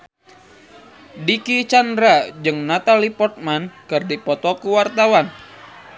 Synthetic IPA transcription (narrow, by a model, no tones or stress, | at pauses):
dikit͡ʃandɾad͡ʒɨŋnat̪alipɔt̪̚mankɨrdipɔt̪ɔkuwart̪awan